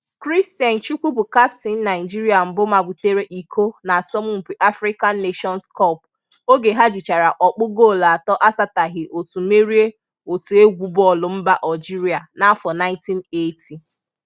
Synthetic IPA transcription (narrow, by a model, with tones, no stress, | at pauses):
kɾi˦sti˨a˨n̩˨t͡ʃu˦kʷu˦pu˨ka˦pti˨n̩˦na˨ɪ˨d͡ʒi˦ɾi˦a˨m̩˨bʊ˦ma˨bʊ˨te˦ɾe˦ʔi˨kʰo˦na˨sɔ˦mʊ˦ŋ͡m̩˨pi˨ʔa˦fɾi˦ka˦nː˦e˦ʃɔ˦nskɔ˦˨p̚ | o˦ɡe˨ɦa˦d͡ʒi˨t͡ʃa˨ɾa˨ʔɔ˨k͡pʊ˦ɡo˦˨la˨tɔ˦ʔa˦sa˦ta˨ɦɪ˨ʔo˨tu˨me˦ɾi˦e˦ | o˨tu˨e˦ɡʷu˦bɔ˦˨lʊ˨m̩˦ba˦ʔa˨d͡ʒi˦ɾi˨a˨na˨˦fɔ˨na˦ɪ̃˦nti˦ne˦tʰi˨